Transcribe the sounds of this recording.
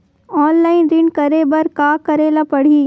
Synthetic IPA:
ɔːnlaːɪnɾɪnkɐɾeːbɐɾkaːkɐɾelapɐɽ̤iː

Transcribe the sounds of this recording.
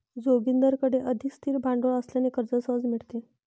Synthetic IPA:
d͡zoɡind̪əɾkəɽeʔəd̪ʱikst̪ʰiːɾbʱaɳɖoɭəsljanekəɾd͡zəsəɦəd͡zmiɭt̪e

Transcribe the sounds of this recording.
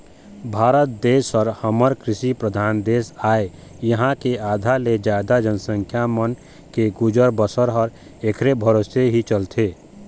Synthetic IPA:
bʱaːɾət̪̚d̪eːsɔɾhəməɾkɾɪʃipɾəd̪ʱaːnd̪eːsaːe | jəɦãkeaːd̪ʱaled͡ʒaːd̪ad͡ʒənsə̃ŋkʰjamən | keɡʊd͡ʒəɾbəsəɾɦɔɾ | ekʰɾebʱəɾoːseɦit͡ʃəlt̪ʰeː

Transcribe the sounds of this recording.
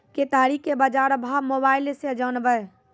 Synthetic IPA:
ket̪aːɾikebad͡ʒaːɾəbʱaːmoːbaːɪlesed͡ʒəːnbəj

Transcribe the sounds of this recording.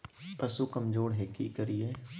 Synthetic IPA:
pəsukəmd͡ʒoːɽɦeːkḭkəɾijeː

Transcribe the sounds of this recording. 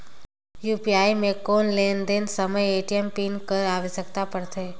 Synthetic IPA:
jupiaimẽkonlend̪ensəməjeʈiempinkəɾaʋesəkt̪apəɽt̪ʰe

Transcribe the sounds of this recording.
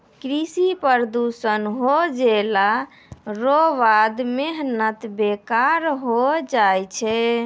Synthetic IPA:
kɾisipəɾd̪usənɦod͡ʒela | ɾoʋad̪meɦnət̪bekaɾɦod͡ʒajt͡ʃʰɛ

